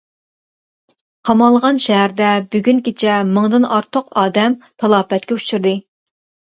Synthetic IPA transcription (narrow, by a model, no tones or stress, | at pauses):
qʰɑmɑlˠʁɑnʃɛɦæɾd̪ɛbyɡʲynkʲet͡ʃʰɛmɨŋd̪ɨnɑɾt̪ʰoqɑːd̪ɛmt̪ʰɑlˠɑːpɛt̪̚kʲɛut͡ʃʰyɾd̪ɨ